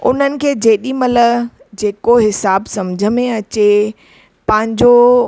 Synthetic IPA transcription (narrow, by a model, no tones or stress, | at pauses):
ʊn̤ənɪ̆kʰeːd͡ʑeːɗimɐlə | d͡ʑeːkoɦɪsaːbsɐmd͡ʑʱə̆mẽɐt͡ɕe | pɐ̃ɦɪ̃ɲd͡ʑo